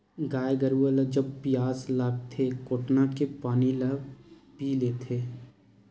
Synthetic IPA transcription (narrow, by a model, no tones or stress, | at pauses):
ɡaːjeɡəɾuəld͡ʒəbpɪjaːslaːɡ̚t̪ʰekoːʈnakepaːnilaːpiːleːt̪ʰeː